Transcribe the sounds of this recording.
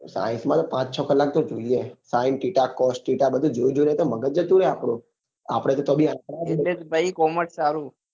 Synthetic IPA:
sa̰ĩnsmãt̪opãt͡ʃt͡ʃʰɔkəlːak̚t̪od͡ʒoiesainʈiʈakɔsʈʈiʈabəd̪ʱũd͡ʒoũd͡ʒoinet̪oməɡəd͡ʒət̪ũɽeapɽũ | a̰pɽ̃et̪ot̪obʱiãkɾaeet̪baikɔməʈsaɾu

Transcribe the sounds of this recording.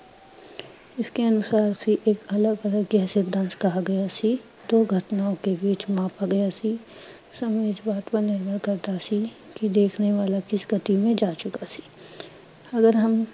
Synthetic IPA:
ɪskeɐnʊsaːɾsiʔeːkɐləɡɐləɡɡɛɦsɪd̪ʱãnskɐɦaɡɐjasʰi | d̪oːɡʱɐʈ̪naõkebiːt͡ʃmãːpaɡɐjasi | sɐmeːd͡ʒbaːt̪ʋanɪɾbəɾkɐɾd̪asi | kid̪eːkʰneʋaːlakɪsɡɐt̪imẽd͡ʒaːt͡ʃʊkasʰi̥ː | ɐɡəɾɦɐm

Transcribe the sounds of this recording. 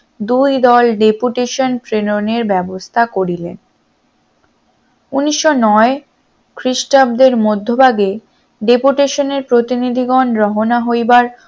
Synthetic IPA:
d̪ujd̪ɔlɖepuʈeʃonpɾenoneɾbɛbost̪ʰakoɾilḛn | uniʃːonɔe | kɾiʃʈab̚d̪eɾmod̪ʱːobaɡe | ɖepuʈeʃoneɾpɾot̪inid̪ʱiɡɔnɾɔɦonaɦojbaɾ

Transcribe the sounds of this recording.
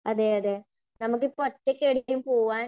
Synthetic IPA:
ɐðeːɐðe | nɐmuk̬ːɨpotːekːeɽijumpoːʋaːn

